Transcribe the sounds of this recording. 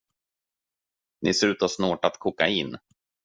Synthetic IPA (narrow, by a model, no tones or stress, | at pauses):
nʔɪsʉ̟ːt̪ɔsnoːʈat̪kʰuːka̰ɪnː